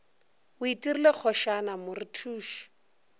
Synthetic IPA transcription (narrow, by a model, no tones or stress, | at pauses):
ʊitʼirilek͡xʰɔʃanamʊritʰuːʃi̥